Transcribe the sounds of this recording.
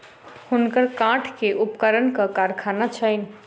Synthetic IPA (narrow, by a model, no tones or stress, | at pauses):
hunkəɾkãʈʰkeʔupkəɾənkəkaɾkʰanat͡ʃʰəɪn̆